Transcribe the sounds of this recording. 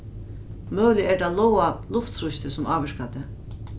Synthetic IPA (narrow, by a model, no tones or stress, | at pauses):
mœːlɪɛɾd̪alˠɔwalʊft̪sɾuʃt̪ɪsʊmaːvɛɾkad̪ɪ